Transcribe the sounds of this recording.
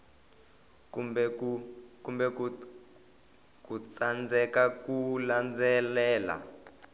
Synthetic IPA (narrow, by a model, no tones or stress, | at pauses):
kub | kumbɛ | kut͡sand͡zɛkakuland͡zɛlɛːla̰